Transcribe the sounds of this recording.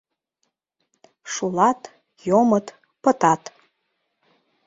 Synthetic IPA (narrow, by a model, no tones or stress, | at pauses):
ʂulˠɑt̪ | jomət̪ | pət̪ɑt̪